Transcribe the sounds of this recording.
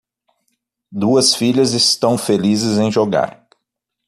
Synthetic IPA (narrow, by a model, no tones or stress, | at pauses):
d̪uɐsfiʎɐzɪst̪ɐ̃w̃felizɪzẽj̃ʒoɡa̰ɾ